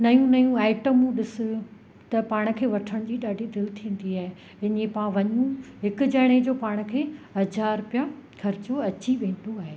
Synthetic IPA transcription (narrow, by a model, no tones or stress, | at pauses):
nɐjũnɐjũaːɪʈəmũɗɪsʊ̆ | t̪ɐpaːɽ̃ə̆kʰeːʋɐʈʰəɽ̃d͡ʑiːɗaːɖʱid̪ɪlɪt̪ʰiːə̃n̆d̪iaːɦe | ɪnẽpãʋɐɲũɦɪkʊ̆d͡ʑɐɽ̃ed͡ʑoːpaːɽ̃ə̆kʰeːɦɐd͡ʑaːɾʊpjakʰɐɾɪt͡ɕoɐt͡ɕiʋẽːn̆d̪oaːɦeː